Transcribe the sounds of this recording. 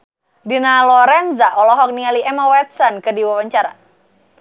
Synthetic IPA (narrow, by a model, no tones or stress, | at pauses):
dinalɔɾɛnzaʔɔlɔɦɔk̚niŋaliʔɛmawɛt̪̚sɔnkədiwawaɲt͡ʃaɾa̰